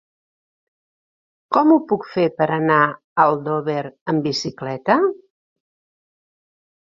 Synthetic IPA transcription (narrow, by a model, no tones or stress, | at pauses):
kɔmupukfepəɾəna | əlˠd̪oβeɾəmbisiklɛt̪ə